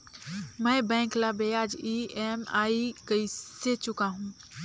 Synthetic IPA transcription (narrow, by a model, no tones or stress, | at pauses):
mə̃bɛ̃ːŋklabeaːd͡ʒiemaːikəiset͡ʃʊkaɦũ